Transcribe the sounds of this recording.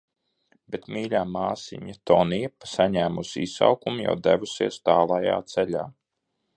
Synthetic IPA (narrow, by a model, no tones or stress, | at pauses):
bet̪miːʎʲaːmaːsḭɲat̪ɔnijɛpasaɲæːmusisa̰wkumja̰wd̪ævusiɛst̪aːlˠaja̰ːt̪sɛlʲa̰ː